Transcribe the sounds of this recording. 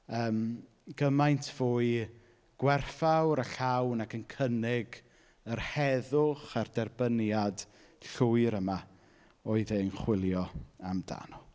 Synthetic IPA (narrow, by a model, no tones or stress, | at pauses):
əːm | ɡ̥əmajntʰv̥oːɨ | ɡ̥wɛrfawɾaɬawnakʰənkʰənɪɡ | ərhɛðʊχardɛrbənjad | ɬuːɨɾəma | ɔɨðenχwɪlˠjɔamda̰nɔ